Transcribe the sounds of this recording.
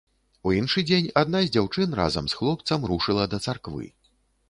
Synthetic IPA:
uinʂɨd͡zʲenʲad̪nazʲd͡zʲawt͡ʂɨnra̰zɐ̰msxlˠɔp̚t̪sɐmruʂɨlˠɐd̪ɐt̪sarkvɨ̰

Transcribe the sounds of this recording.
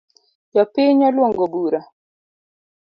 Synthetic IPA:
jɔpɪɲɔlwɔŋɡobuɾa

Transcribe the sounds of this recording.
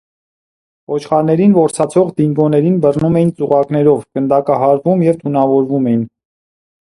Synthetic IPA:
vɔt͡ʃʰχɑɾnɛɾinvɔɾt͡sʰɑt͡sʰɔʁd̪iŋɡɔnɛɾinbərnumɛjint͡suʁɑknɛɾɔvkənd̪ɑkɑɦɑɾvumjɛvt̪ʰunɑvɔɾvumɛjin

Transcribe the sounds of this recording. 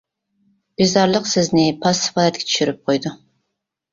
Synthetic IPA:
b̥izɑɾlˠəqsɪznɪpʰɑsːɪ̥fɑːd̪ɛt̪̚kʲʰɛ̥t͡ʃ̪ʰy̥ʃyɾyp̚qʰojd̪u

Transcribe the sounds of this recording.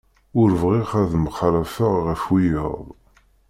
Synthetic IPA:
ʊɾvʁiʁæðməχlæfəʁʁəfwijəðˤ

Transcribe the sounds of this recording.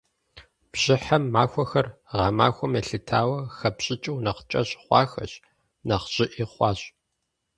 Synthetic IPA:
b̥ʑ̥ɪħamːaːxʷɔxɐrʁɑma̰ːxʷɔmɐɬɨtʰaːwɐxɐpɕʼɪt͡ʃʼɨwnɐqt͡ʃʼɐɕʼχʷɑ̰ːxɐ̰ɕ | nɐqɕʼɪʔiːχʷɑːɕʼ

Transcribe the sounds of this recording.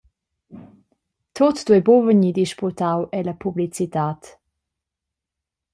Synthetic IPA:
t̪ʰot̪d̥̪wɛbovəɲid̪iʃput̪awʔɛləpublit͡sit̪aːt̪

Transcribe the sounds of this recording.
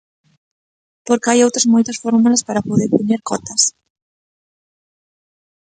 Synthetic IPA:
poɾkajowt̪ɾazmojt̪asfoɾmulaspaɾapoðeɾpoɲeɾkɔt̪as

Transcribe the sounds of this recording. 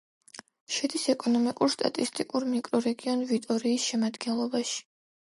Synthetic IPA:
ʃɛd̪isɛkʼɔnɔmikʼuɾst̪ʼa̰t̪ʼist̪ʼikʼuɾmikʼɾɔɾɛɡiɔnvit̪ʼɔɾiːsʃɛmad̪ɡɛnlˠɔbaʃi̥

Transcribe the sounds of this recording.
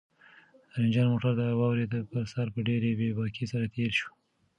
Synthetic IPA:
əɾɪnd͡ʒɑnmoʈaɾd̪əawɑwɾet̪apəɾsɑɾpəɖeɾebebɑkʰesaɾat̪ʰeɾʃu̥

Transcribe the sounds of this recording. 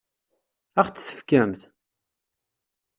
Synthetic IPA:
æχt͡ssə̥fkæmθ

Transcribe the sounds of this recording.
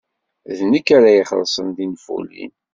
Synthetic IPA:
ðnəkːaɾajiχəlsˤənðinfṵlːḭn

